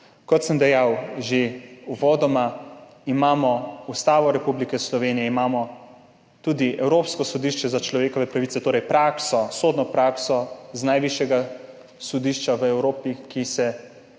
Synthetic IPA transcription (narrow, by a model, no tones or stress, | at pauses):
kɔt̪səmd̪ɛjawʒeuʋɔːd̪ɔma | imaːmɔust̪aːʋɔɾɛpublikɛslɔʋeːnijɛimaːmɔ | t̪ud̪iʔɛwɾoːpskɔsɔd̪iʃt͡ʃɛzat͡ʃlɔʋeːkɔʋɛpɾaʋit̪sɛt̪oːɾɛjpɾaːksɔsoːd̪nɔpɾaːksɔznajʋiʃjɛɡa | sɔd̪iːʃt͡ʃaʋəɛwɾoːpikisɛ